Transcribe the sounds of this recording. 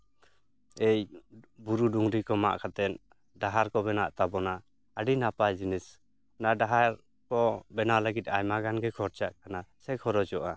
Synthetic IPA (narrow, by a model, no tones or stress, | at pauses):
ejbuɾuduŋɾikɔma̰ʔkʰat̪ɛn | daɦaɾkɔbɛnaʔt̪abɔnaː | ɖinapajd͡ʒinis | nadaɦaɾ | kɔbɛnaʔləɡit̪̚ajmaɡanɡɛkʰɔɾt͡ʃaʔkʰanasɛkʰɔɾɔd͡ʒɔʔa